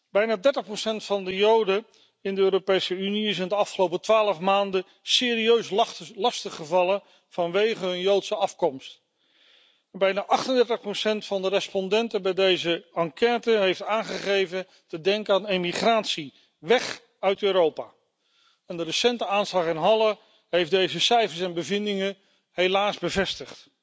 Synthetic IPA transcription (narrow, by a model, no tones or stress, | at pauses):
b̥ɛjnaːdɛɹtəχprosɛntfɑndəjowdə | ɪndəøːɾopejsəyniɪs̬ɪndəɑfχəlowpətʋaːləfmaːndə | sɪːɾiøɥslɑstəχəvɑlən | v̥ɑnʋejχəɦɵnjowtsəɑfkɔmst | ɛnbɛjnaːʔɑχtəndɛɹtəχprosɛntfɑndərɛspɔndɛntəbɛjdejzəɑŋkɛːtəɦejftaːnχəχejvən | tədɛŋkəaːnemiχraːtsi | ʋɛχ | œɥtøːɾowpaː | ɛndərəsɛntəaːnslɑχɪnɦɑlˠə | ɦejfdejzəsɛjfəɹsɛnbəvɪndɪŋə | ɦelaːzbəvɛstəχt